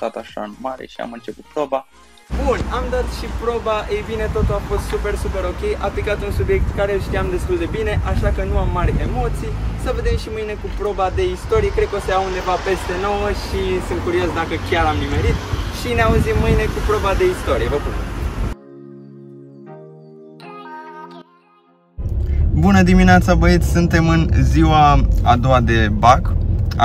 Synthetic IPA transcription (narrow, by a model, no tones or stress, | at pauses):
t̪at̪aʃa̰ɨnmaɾḛʃia̰mɨnt͡ʃe̞put̪̚pɾo̞ba | bunamd̪at̪ʃipɾo̞baʔejbine̞t̪o̞t̪uafo̞st̪supe̞rsupe̞ɾo̞kʲe̞jʔaplikat̪unsubje̞k̚t̪kaɾe̞ɨlʃt̪ijamd̪e̞st̪uld̪e̞bine̞ʔaʃakənuamːaɾʲe̞mo̞t̪sijsəve̞d̪e̞mʃimɨjne̞kupɾo̞bad̪e̞ist̪o̞ɾijekɾed̪̚kəo̞seaund̪e̞vape̞st̪e̞no̞wəʃisɨnt̪̚kuɾio̞sd̪akəkʲjaɾamlime̞ɾit̪ʃineauzimːɨjne̞kupɾo̞bad̪e̞ist̪o̞ɾijevəbun | bunəd̪imineat̪sabəit̪sʲsɨnt̪e̞mɨnziwaad̪oad̪e̞bak